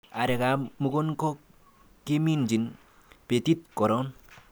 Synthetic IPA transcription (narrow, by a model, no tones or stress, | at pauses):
aɾeɡamuɡɔnkɔ | kemind͡ʒin | pet̪it̪̚kɔɾɔn